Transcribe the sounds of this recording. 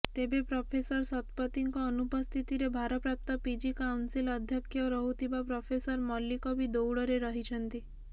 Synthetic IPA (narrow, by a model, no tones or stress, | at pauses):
t̪ebepɾɔpʰesəɾsɔt̪pət̪iŋkɔːnupɔst̪ʰit̪iɾebʱaɾɔpɾap̚t̪ɔpid͡ʒikawnsiləd̪ʱjəkʰːjɔɾɔɦut̪ʰibapɾɔpʰesəɾmɔlːikɔbʱid̪owɽɔɾeɾəɦit͡ʃʰənt̪i